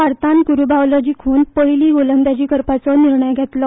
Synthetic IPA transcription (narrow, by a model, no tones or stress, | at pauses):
aɾt̪ãnkuɾubaʋlad͡ʑiːkʰunpəɭliːɡolənd̪ad͡ʑiːkəɾpat͡sɔniɾɳəjɡʱet̪lɔ